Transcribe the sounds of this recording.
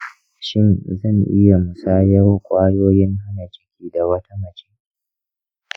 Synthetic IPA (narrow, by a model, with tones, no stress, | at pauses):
ʃɪ˦nzɐ˦˨ŋʔɪ˦ja˨mʊ˨saː˦jɐ˦rkʷʼaː˦ɽoː˦jɪ˦ŋha˦na˨t͡ʃɪ̥˦kʲʰiː˨da˨wɐ˦tʰa˦mɐ˨t͡ʃeː˦